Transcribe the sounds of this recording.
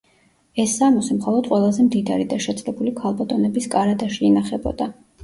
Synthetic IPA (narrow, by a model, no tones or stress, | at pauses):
ɛsːamɔsɛmχɔlˠɔd̪̥qʼwɛlˠazɛmd̪id̪aɾid̪aʃɛt̪sʼlɛbulikʰalˠbat̪ʼɔnɛbiskʼaɾad̪aʃiɛnaχɛbɔ̰d̪a